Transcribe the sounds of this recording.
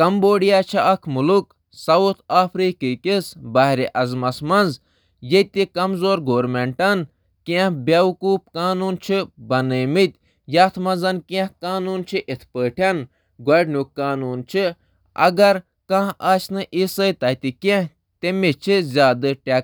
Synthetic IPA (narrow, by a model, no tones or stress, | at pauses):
kɐmboːɽijaːt͡ʃʰiʔɐkʰmuluk | sɐut̪ʰaːpʰɾiːkiːkʲisbɐɦɾiʔɐzmɐsmɐnz | jet̪ikɐmzoːɾɡoːɾmeɳʈɐn | kẽhbʲɐʋkuːp̚kaːnuːnt͡ʃʰibɐnəjmɨt̪ʲ | jaːt̪ʰmɐnzɐnkɛ̃hkaːnuːnt͡ʃʰiʔit̪ʰpəːʈʰɐn | ɡɐɖnukːaːnuːnt͡ʃʰi | ɐ̰ɡɐɾ | kãɦaːt͡ʃnɨʔisəjt̪ɐt̪ikẽh | t̪emit͡ʃʰizʲaːd̪ɨʈʲa